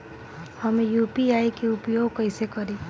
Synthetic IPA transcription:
hʌmejupiaikeupjoɡkʌɪsekʌɾi

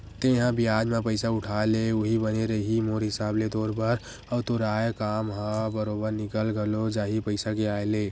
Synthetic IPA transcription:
t̪eɦãbijaːd͡ʒmẽpəɪsaʊʈʰaːeleuɦibəneɾəɦimoːɾɦɪsaːbled̪oːɾbəɾ | əːt̪oɾaːekaːmɦãbəɾoːbəɾnɪkəlɡəlod͡ʒaːɦipəɪsakeaːeleː

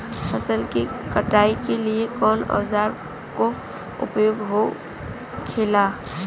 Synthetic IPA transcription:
fʰəsəlkikəʈaːikeliekɔːnɔ̰ːzaːɾ | ko | ʊ̰pjoːɡɦo | kʰeːlaː

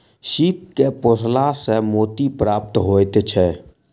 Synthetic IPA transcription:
ʃiːp̚kepoːslasemoːt̪ipɾaːp̚t̪ɦoːet̪et͡ʃʰɛ

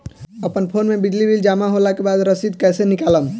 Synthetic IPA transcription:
əpənpʰoːnmẽbid͡ʒlibild͡ʒaːmaɦolakebaːd̪ɾəsid̪kɛːsenɪkaːləm

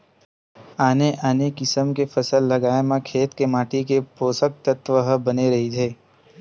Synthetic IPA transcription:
aːneʔaːnekɪsəmkefɐsəlːɐɡaːemãkʰeːt̪kemaːʈikepoːsək̚t̪ət̪ʋəɦəbɐneɾɐɦit̪ʰeː

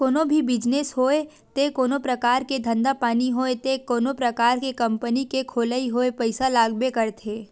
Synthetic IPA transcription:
koːnobʱibɪd͡ʒnesɦoːe | t̪ekoːnopɾɐkaːɾked̪ʱə̃nd̪apaːniɦoːet̪ekoːnopɾɐkaːɾkekɐ̃mpənikekʰoːləiɦoːepəɪsalaːɡbekɐɾt̪ʰeː

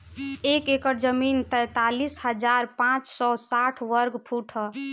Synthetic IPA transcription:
ekekəɾd͡ʒəmint̪ɛjt̪alisɦəd͡ʒaɾpãt͡ʃsɔsaʈʰʋəɾɡpʰuʈʰə

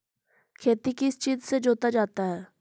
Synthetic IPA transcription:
kʰeːt̪ikɪst͡ʃiːzsed͡ʒoːt̪ad͡ʒaːt̪aɦɛː

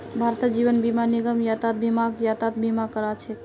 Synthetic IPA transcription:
bʱaɾt̪əd͡ʒibənbimaniɡəmjat̪at̪̚bimaɡjat̪at̪̚bimakəɾat͡ʃʰɛt

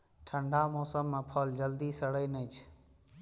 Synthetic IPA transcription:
ʈʰəɳɖʱaːmɔːsəmːẽːpʰəld͡ʒəld̪iːsəɽəːnẽːt͡ʃʰ

